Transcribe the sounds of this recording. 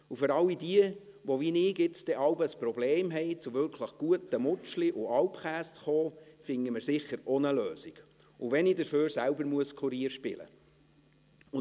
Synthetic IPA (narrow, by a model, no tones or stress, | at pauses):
ufʏɾɑlːidiə | ʋɔvinɪːɡɪt͡sd̥ɛʔɑwbəsprɔbleːmɦɛɪt͡sʊvʏɾkʰləχɡ̥uət̪əmʊt͡ʃliʔʊɑlpχæːst͡sχoːfɪŋːəməɾsɪχəɾɔnəløːsiɡ̥ | ʊʋɛnɪdəɾføːɾsælbəɾmuəskʰχuɾiːəɾʃpɪ̰lə̰ | ʊ